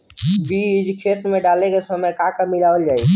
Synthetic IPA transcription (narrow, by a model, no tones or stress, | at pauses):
bid͡ʒkʰet̪ɾəmeɖalekesəməjkakəmilaːwəld͡ʒaːi